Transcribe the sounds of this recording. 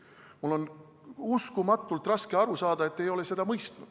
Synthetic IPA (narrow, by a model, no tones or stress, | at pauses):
mulːo̞n | uskumɑt̪ːˑult̪ːˑrɑske̞ɑɾusɑːd̪̥ɑe̞t̪ːejo̞le̞se̞d̪ɑmɤjst̪nud̪̥